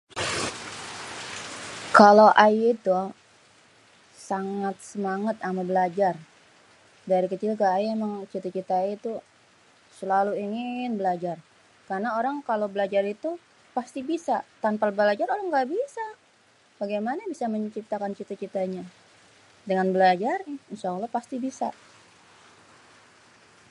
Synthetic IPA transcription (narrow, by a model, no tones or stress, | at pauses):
kalowʔajit̪u | saŋat̪̚səmaŋat̪amabəlad͡ʒar | daɾikət͡ʃilkaːjemaŋt͡ʃit̪at͡ʃit̪ait̪u | səlaluiŋɪnbəlad͡ʒar | karnaoɾaŋkalobəlad͡ʒaɾit̪u | past̪ibisat̪anpalbəlad͡ʒaralaŋɡabisa | baɡajmanabisaməɲt͡ʃip̚t̪akant͡ʃit̪at͡ʃit̪aɲa | dəŋanbəlad͡ʒarinʃaalɔhpast̪ibisa